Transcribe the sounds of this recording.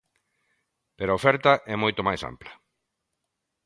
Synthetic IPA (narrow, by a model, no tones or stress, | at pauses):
peɾoaofɛɾt̪ɐʔɛmojt̪omajsa̰mplɐ